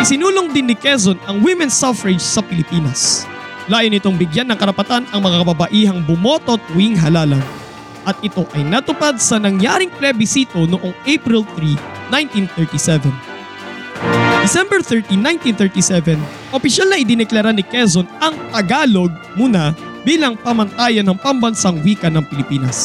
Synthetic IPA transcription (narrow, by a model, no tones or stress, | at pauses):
sɪnuːloŋd̪ɪnːɪkɛs̬onɐŋwimɛnsafɾɪd͡ʒsɐpɪlɪpiːnɐs | laːjonɪt̪o̞ŋbɪɡjanːɐŋkɐɾɐpɐt̪anɐŋmɐŋakɐbɐbɐʔiːɦɐŋbʊmo̞ːt̪o̞t̪ʊiŋɦɐlaːlɐn | ʔɐt̪̚ʔɪt̪o̞ʔɐjnɐt̪ʊpad̪̚sɐnɐŋjaːɾɪŋplɛbɪsiːt̪o̞noʔo̞ŋʔejpɾɪlθɾi | najnt̪inθɛɹt̪isɛvɛn | d̪ɪsɛmbɛɹθɛɹt̪inːajnt̪inθɛɹt̪isɛvɛn | ʔopɪʃalnɐʔɪd̪ɪnɛklɐɾanɪkɛzonɐŋt̪ɐɡaːlo̞ɡ̚muːnɐ | biːlɐŋpɐmɐnt̪aːjɐnːɐŋpɐmbɐnsaŋwiːkɐnɐŋpɪlɪpiːnɐs